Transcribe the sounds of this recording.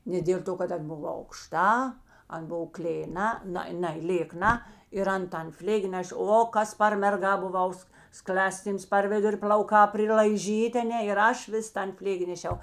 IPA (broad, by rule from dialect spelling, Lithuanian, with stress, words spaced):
nʲɛ dʲeːlˠ ˈtoː kɐt ɐn ˈbʊw ɐʊkˈʃtɐ ˈɐn ˈbʊw klʲeːˈnɐ ˈnɐ ˈnɐɪ lʲeːˈknɐ ɪr ˈɐn tɐn ˈfʲlʲeːɡʲɪ ˈnʲæːʃʲeː ˈoː ˈkɐs pɐr mʲɛrˈɡɐ bʊˈʋɐʊs ˈsklʲɑːˌsʲtʲiːms pɐr ˈʋʲɪdʊrʲɪ pʲlʲɐʊˈkɑː pʲrʲɪlˠɐɪˈʒʲiːtʲeː ɐˈnʲɛ ɪr ˈɐʃ ˈʋʲɪs ˈtɐn ˈfʲlʲeːɡʲɪ nʲɛˈʃʲɛʊ